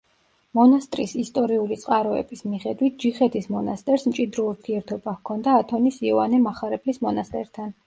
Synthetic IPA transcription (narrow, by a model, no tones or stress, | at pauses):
mɔnast̪ʼɾisist̪ʼɔɾiulit̪sʼqʼaɾɔɛ̰bismiχɛd̪wit̪̚ʰd͡ʒiχɛt̪ʰismɔnast̪ʼɛɾsmt͡ʃʼid̪ɾɔuɾt̪ʰiɛɾt̪ʰɔbakʰɔnd̪aːt̪ʰɔnisiɔvanɛmaχaɾɛpʰlismɔnast̪ʼɛɾt̪ʰan